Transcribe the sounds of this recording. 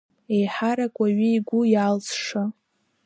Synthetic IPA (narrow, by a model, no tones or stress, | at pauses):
e̞jħaɾakʷʼaɥiiɡʷʊjalt͡sʰʂa